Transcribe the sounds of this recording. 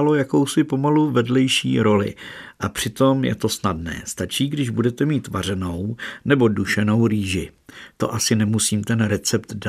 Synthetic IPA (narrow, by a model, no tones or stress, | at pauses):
alo̞jako̞wsɪpo̞maluvɛdlɛjʃḭːɾo̞lɪ̰ʔapr̥ɪt̪o̞mjɛ̰t̪o̞snadnɛ̰ːst̪at͡ʃiːɡdɪʒbudɛt̪ɛmiːt̪va̰r̝ɛno̞wnɛbo̞duʃɛno̞wɾiːʒɪt̪o̞̰ʔasɪnɛmusiːmt̪ɛnɾɛt͡sɛpt̪da